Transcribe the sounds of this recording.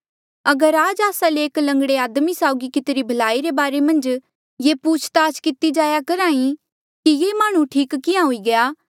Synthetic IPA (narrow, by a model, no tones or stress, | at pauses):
ɐɡəɾaːd͡ʒaːsaleːklɐ̃ŋɡɽeaːd̪misaːʊɡikɪt̪ɾibʱɐlaːiɾebaːɾemɐ̃nd͡ʒ | jepuːt͡ʃʰt̪aːt͡ʃkɪt̪id͡ʒaːjakɐɾãːĩ | kijeːmaːɽ̃ũʈʰiːkkɪjãɦʊiɡɐjaː